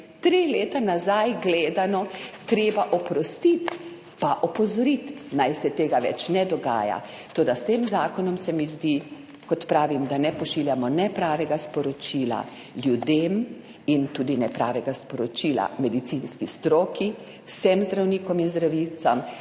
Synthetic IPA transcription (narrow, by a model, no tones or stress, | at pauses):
t̪ɾileːt̪anazajɡleːd̪anɔt̪ɾeːbaʔɔpɾɔst̪it̪ | paʔɔpɔzɔɾit̪najsɛt̪eːɡaʋɛ̰t͡ʃnɛd̪ɔɡa̰ːja̰ | t̪oːd̪ast̪eːmzaːkɔnɔmsɛmizd̪i | kɔt̪pɾaːʋimd̪anɛpɔʃiːljamɔnɛpɾaːʋɛɡaspɔɾɔt͡ʃiːla̰ | ljud̪eːm | int̪uːd̪inɛpɾa̰ːʋɛɡaspɔɾɔt͡ʃiːla̰mɛd̪it̪sinskist̪ɾoːki | wsɛmzd̪ɾawniːkɔminzd̪ɾaʋit͡ssam